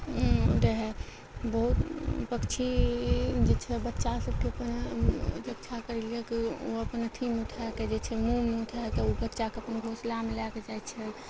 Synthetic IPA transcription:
ɾeɦɛ | bəɦut̪pəkt͡ʃʰi | d͡ʒet͡ʃʰɛbətːʃasəb̚keəpənɾəkt͡ʃʰakəɾeliɛkio̰əpənət̪ʰimut̪ʰaked͡ʒet͡ʃʰɛmumeut̪ʰakeobətːʃakeəpənɡʱoslamelaked͡ʒajt̪t͡ʃʰɛl

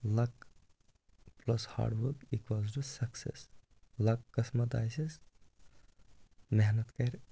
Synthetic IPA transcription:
lɐk | plɐsha̰ːɖʋəkikwaːzʈusɐksḛs | lɐkːɐsmɐt̪a̰ːjsis | meɦnɐt̪kɐɾʲ

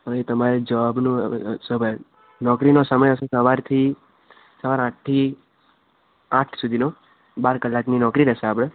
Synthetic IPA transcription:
əet̪əmaɾed͡ʒəʋabnṵ̃səbə | nɔkɾinosəməjəʃesəʋaɾt̪ʰi | səʋaɾãʈ̚t̪ʰi | ãʈʰsud̪ʱino | baɾkəlːakninɔkɾiɾɛʃeap̬ɽ̃e

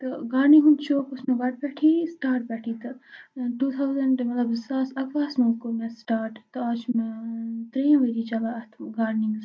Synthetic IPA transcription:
t̪ɐɡaːnĩɦũnt͡ʃʰoːkʊsmẽʋɐʈ̚bɛːʈʰiːsʈaːɾʈ̚bɛːʈʰit̪ɐʈuːt̪ʰawzɐɳɖmɐt̪lɐbsɐsɐkʋaːsmoːkomɛ̃sʈaːɾʈt̪ɐaːt͡ʃmẽt̪ɾẽːʋeɾit͡ʃɐlaɐt̪ʰɡaːɾnĩŋɡz

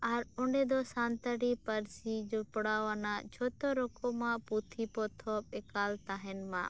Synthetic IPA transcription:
aːɾʊnɖẽːd̪oːsãːnt̪əɽiːpəɾsiːd͡ʒoːpʊɽaːʋaːnã̰ːt͡ʃʰoːt̪oːɾokoːmãːpuːt̪ʰiːpoːt̪ʰoːɪkaːlt̪aːɦɪnmã̰ː

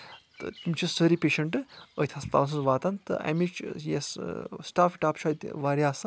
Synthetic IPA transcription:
t̪ɨ̰t̪imt͡ʃʰisəɾipʲeːʃɐɳʈɨə̰jt̪ʲʰɐst̪a̰lɐs̬ɨzʋaːt̪ant̪ɨ̰a̰mit͡ʃjessʈaːfiʈaːpt͡ʃʰaːt̪ʲʋaːɾiaːsɨ

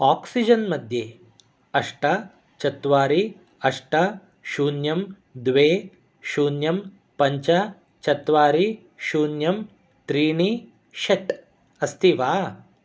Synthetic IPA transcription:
aːksid͡ʒɐnmɐd̪ʱjeː | ɐʂʈɐ | t͡ʃɐt̪ʋaːɾi | ɐʂʈɐ | ʃuːnjɐm | d̪ʋeː | ʃuːnjɐm | pɐɲt͡ʃɐ | t͡ʃɐt̪ʋaːɾi | ʃuːnjɐm | t̪ɾiːɳi | ʃɐʈ | ɐst̪ʰiʋaː

